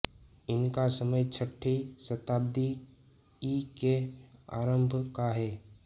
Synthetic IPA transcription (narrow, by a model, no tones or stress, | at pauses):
ɪnkasəməjt͡ʃʰəʈʰːisət̪aːbd̪i | ikea̰ːɾəmbʱkaɦɛː